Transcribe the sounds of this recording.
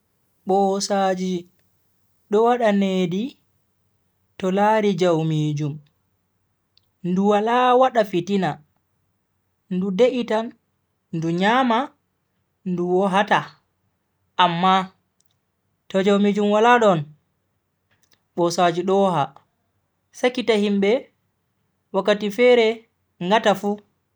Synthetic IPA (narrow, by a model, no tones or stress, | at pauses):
ɓɔsad͡ʒi | ɗɔwaɗaneːdi | tɔlaɾid͡ʒawmiːd͡ʒum | nduwalawaɗafitina | ndudeʔitan | nduɲama | nduwɔɦata | ʔːmːa | tɔd͡ʒawmid͡ʒumwalaɗɔn | ɓɔsad͡ʒiɗɔɦa | sakːitahimɓɛ | wakːatifɛɾɛ | ŋɡatafu